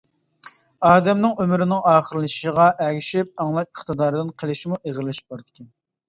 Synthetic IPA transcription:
ɑːd̪ɛmnɪŋømyɾɪnɪŋɑːχəɾɨlˠɨʃʃəʁɑʔɛɡʲiʃip̚ɑŋlˠɑp̚əχt̪ɨd̪ɑːɾɨd̪ɨnqʰəlˠɪʃimuʔeʁəlˠɪʃbɑɾd̪ɪ̥kʲʰɛn

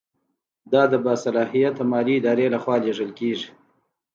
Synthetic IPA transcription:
d̪ɑd̪əbɑsalɑɦijat̪amɑliɪd̪ɑɾelaxwɑleʐəlkeʐi

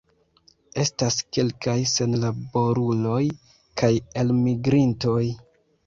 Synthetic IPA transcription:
e̞staske̞lkajse̞nlabo̞ɾulo̞j | kʰaje̞lmiɡɾinto̞j

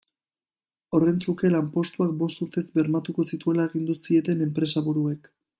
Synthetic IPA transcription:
o̞re̞nt͡suke̞lampo̞st̪uak̚bo̞st̪uɾt̪e̞zbe̞ɾmat̪uko̞sit̪ue̞laeɣ̞ind̪usie̞t̪e̞ne̞mpɾe̞saβuɾue̞k

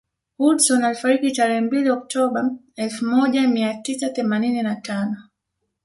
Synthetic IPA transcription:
hudsɔnalifaɾikitaɾɛhɛmbiliɔk̚tʰɔɓa | ɛlfumɔʄamiatisaθɛmanininatanɔ

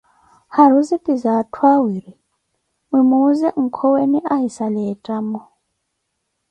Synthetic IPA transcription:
haɾuzipʼizatʰwawiɾi | wimuzɛʔŋ̩kʰɔweniʔaɦisalɛtʼamɔ

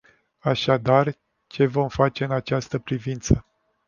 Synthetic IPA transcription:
aʃad̪ar | t͡ʃe̞vo̞mfat͡ʃe̞ɨnat͡ʃast̪əpɾivint̪sə

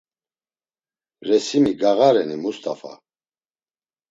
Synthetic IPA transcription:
ɾɛsimiɡaɣaɾɛnimust̪ʼafa̰

